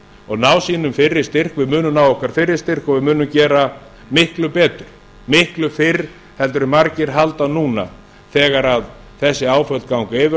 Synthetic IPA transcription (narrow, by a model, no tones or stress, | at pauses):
ɔɣnaːwsiːnʏmfɪrːɪ̥st̪ɪr̥kvɪðmʏːnʏmnaːwɔhkaɾ̥fɪrːɪ̥st̪ɪr̥kɔvɪðmʏːnʏmcɛːɾa | mɪhklʏpɛːt̪ʏɾ̥ | mɪhklʏfɪɾ | hɛlt̪̬ʏɾɪmaɾcɪɾɦalt̪anuːna̰ | θɛːɣaɾað | θɛsːɪaːwfœlt̪kawŋkaɛvɪ